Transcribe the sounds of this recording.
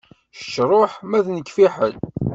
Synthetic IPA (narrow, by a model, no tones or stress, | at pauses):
ʃt͡ʃːɾˤoħmæðnəkːfiħə̰l